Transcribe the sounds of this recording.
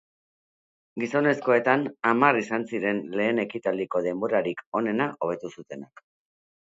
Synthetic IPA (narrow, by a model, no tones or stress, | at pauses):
ɡiso̞ne̞sko̞e̞t̪anamarisansiɾe̞nle̞ːne̞kit̪ald̪iko̞ðe̞mbo̞ɾaɾiko̞ne̞naʔo̞β̞e̞t̪usut̪e̞nak